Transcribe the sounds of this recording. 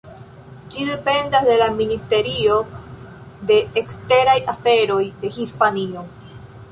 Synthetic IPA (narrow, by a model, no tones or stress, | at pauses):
d͡ʒide̞pe̞ndasde̞laministe̞ɾio̞ | de̞ːkste̞ɾajafe̞ɾo̞jde̞hispanio̞